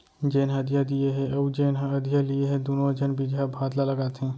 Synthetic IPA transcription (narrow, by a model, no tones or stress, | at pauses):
d͡ʒeːnɦɐd̪ijad̪ieɦɛ̃ɐd͡ʒeːnɦəd̪ʱijalieɦɛ̃d̪onod͡ʒənbid͡ʒɦɛbʱaːd̪laləɡaːt̪ɦɛ̃ː